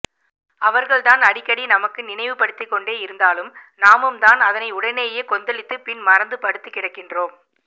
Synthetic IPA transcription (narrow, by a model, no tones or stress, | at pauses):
ɐʋɐɾɣɐɭt̪aːnɐɽɪkːɐɽinɐmɐkːɯnɪnɐɪʋɯpɐɽɯt̪ːɪkːɔɳɖeːɪɾɯnd̪aːlɯmnaːmɯmd̪aːnɐðɐnɐɪʊɽɐneːjeːkɔnd̪ɐlɪt̪ːɯpɪnmɐɾɐnd̪ɯpɐɽɯt̪ːɯkːɪɽɐkːɪndroːm